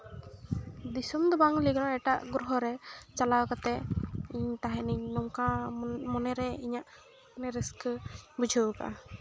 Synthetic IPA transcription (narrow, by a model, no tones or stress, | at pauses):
d̪isumd̪ɔbaŋliɡɔnaɛʈaʔɡɾuɦɔɾɛt͡ʃalawkat̪ɛiɲt̪aɦɛ̃niɲnɔmkãmɔnɛɾɛiɲaʔ | nɛɾəskəbud͡ʒʱəwka̰ʔa̰